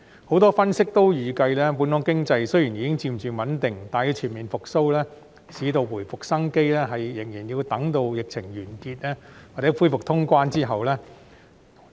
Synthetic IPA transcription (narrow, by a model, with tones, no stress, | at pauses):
ho˨˥wt̪ɔː˥fɐ˥nsɪ˥k̚t̪o˥wjyː˨kɐ˧jlɛː˥puː˨˥nkʊ˥ŋkɪ˥ŋt͡sɐ˧jsɵ˥jiː˨˩njiː˨˥kɪ˥ŋt͡siː˧mt͡ʃyː˨wɐ˨˥nt̪ɪ˨ŋt̪aː˨˩jiː˧t͡sʰiː˨˩nmiː˨˩nfʊ˨k̚so˥wlɛː˥ | siː˨˧t̪o˧wwuː˨˩jfʊ˨k̚sɐ˥ŋke˥jlɛː˥ɦɐ˨jːɪ˨˩ŋjiː˨˩nji˧wt̪ɐ˨˥ŋt̪o˧wjɪ˨k̚t͡sʰɪ˨˩ŋjyː˨˩nkiː˧t̚ɛː˥wa˨t͡sɛ˨˥fuː˥jfʊ˨k̚t̪ʰʊ˥ŋkʷaː˥nt͡siː˥ɦɐ˨wlɛː˥